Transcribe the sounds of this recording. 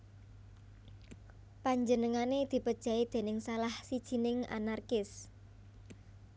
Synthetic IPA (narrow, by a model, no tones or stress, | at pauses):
paɲd͡ʒənəŋaned̪̥i̤pəd̥ʒ̥a̤id̪̥e̤nɪŋsalahsid̥ʒ̥i̤nɪŋa̰narkɪs